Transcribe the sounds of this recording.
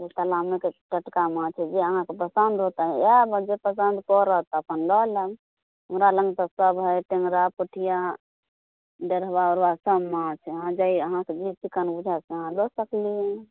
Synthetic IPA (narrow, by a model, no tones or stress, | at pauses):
et̪əlamekeʈəʈkamãt͡ʃʰɛd͡ʒeəɦãkepəsənd̪ɾot̪aɦɛabd͡ʒepəs̬ənd̪kɔɾəɦt̪əpənlɔləm | umɾalə̃ŋɡt̪asəbɦəjʈẽŋɡɾapəʈʰija | ɖeɾbaɔɾʋasəbmãt͡ʃʰɛɦãd͡ʒaiəɦãked͡ʒit͡ʃikənbud͡ʒʱaseəɦãlɔsəkliɛ̃